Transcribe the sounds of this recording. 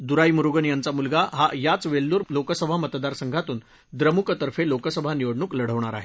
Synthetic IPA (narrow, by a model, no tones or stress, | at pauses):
d̪uɾaimuɾuɡənjant͡samulɡaɦajat͡sʋelːuːɾlokəsəbʱamət̪d̪aɾsəŋɡʱat̪uːn | d̪ɾəmukət̪əɾfelokəsəbʱaniʋəɽɳuːkləɽ̤əʋɳ̃aɾa̰ɦe